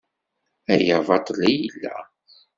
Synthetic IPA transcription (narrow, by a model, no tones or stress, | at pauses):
æjævɑt̪ˤlæjəlːæ̰